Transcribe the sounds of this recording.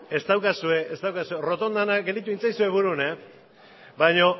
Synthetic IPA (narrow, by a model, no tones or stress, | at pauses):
e̞st̪awkasue̞est̪awkasue̞ro̞t̪o̞nd̪anaɡeld̪it̪̬uint͡sajsue̞βuɾune | baɲo̞